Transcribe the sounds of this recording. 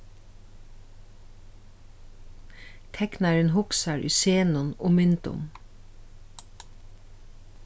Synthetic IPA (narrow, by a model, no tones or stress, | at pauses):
t̪ʰɛknɑɹənhʊksɑɹʔy̰ːseːnʊnoːmʏnt̪ʊ̰m